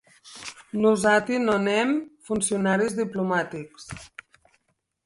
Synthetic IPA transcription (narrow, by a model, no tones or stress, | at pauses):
nuzat̪inonɛmfunsiunaɾizðiplumat̪iks